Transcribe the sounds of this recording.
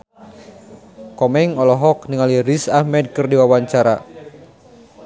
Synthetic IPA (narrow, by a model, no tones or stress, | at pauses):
kɔmɛŋɔlɔɦɔk̚niŋalirisahmɛd̚kɨrdiwawaɲt͡ʃaɾa